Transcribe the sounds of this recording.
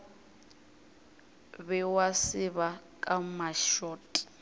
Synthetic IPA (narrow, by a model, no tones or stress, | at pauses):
βɛwasɪβakʼamaʃɔːtʼi̥